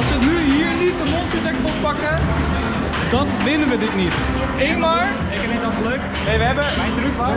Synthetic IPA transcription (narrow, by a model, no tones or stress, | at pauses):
ɑlˠsʋənyɦiːɹnit̚dəmɔnsətɛkɔp̚pɑkə | dɑnʋɪnənʋədɪtnit | ejmaː | ɪkɛnɛtɔsəløɥk | nejʋəɦɛbəmɛjntrykʋa